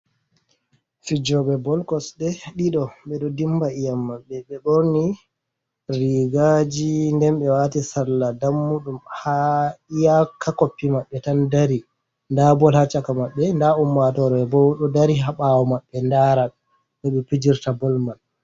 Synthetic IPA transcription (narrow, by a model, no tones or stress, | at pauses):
fid͡ʒɔɓɛbɔlkɔsdɛɗiɗɔɓɛɗɔdimbaijamːaɓːɛɓɛɓɔɾni | riɡad͡ʒindɛnɓɛwaːtisalːadamːuɗumhaijakʰakopːimaɓːɛtandaɾi | ndabɔlhat͡ʃːakamaɓːɛndaumːatɔɾɔɛbɔwɗɔdaɾiɦaɓawɔmaɓːɛndaɾak | ɗɛɓɛpid͡ʒiɾtabɔlman